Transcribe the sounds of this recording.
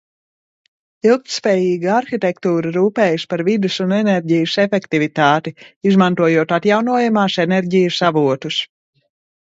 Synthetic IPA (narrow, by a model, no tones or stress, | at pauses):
ilˠk̚t̪spɛːjiːɡaaɾxit̪ɛkt̪uːɾɨɾuːpɛːjuspaɾvid̪ɨsunɛnɛɾʲɟijəsɛfɛkt̪ivit̪aːt̪iizmant̪uɔjuɔt̪at̪jawnuɔjamaːsɛnɛɾɟijəsavuɔt̪us